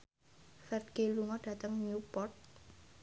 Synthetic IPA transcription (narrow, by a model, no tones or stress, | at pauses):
fɛrɡ̥eluŋɔɖ̥ä̤t̪əŋɲupɔrt̪̚